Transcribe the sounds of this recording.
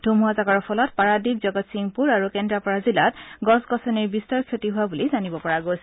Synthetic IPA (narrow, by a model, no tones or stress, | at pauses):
d̥ʱumuɦazakaɹpʰɔlɔtpaɹadik̚zɔɡɔtsiŋpuɹaɹukɛndɹapɔɹazilatɡɔsɡɔsɔniɹbistaɹkʰjotiɦuabulizanibɔpɔɹaɡos